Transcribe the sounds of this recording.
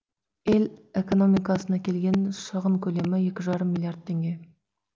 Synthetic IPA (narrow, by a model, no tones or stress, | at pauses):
eleko̞no̞mijkɑsənɑkʲʰe̞lɡʲe̞nʃəʁəŋkʲʰɵle̞mɪje̞kʲɪʒɑɾəmːilˠjard̪̚t̪ʰːe̞ŋɡʲe̞